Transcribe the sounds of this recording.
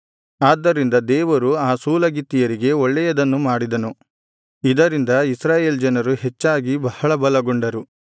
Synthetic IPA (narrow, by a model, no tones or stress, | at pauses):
aːd̪ːɐɾind̪ɐd̪ɛːʋɐɾuaːsuːlɐɡit̪ːijɐɾiɡe̞ɔɭːɛjɐd̪ɐnːumaːɽid̪ɐnu | id̪ɐɾind̪ɐisɾaːje̞ːld͡ʒɐnɐɾuhet͡ʃːaːɡibɐhɐɭɐbɐlɐɡoɳɖɐɾu